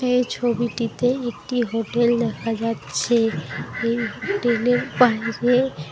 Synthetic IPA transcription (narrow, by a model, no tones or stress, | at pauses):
eet͡ɕʰobiʈit̪eek̚ʈiɦoʈeld̪ɛkʰad͡ʒatːɕʰeejɦoʈelepaɦie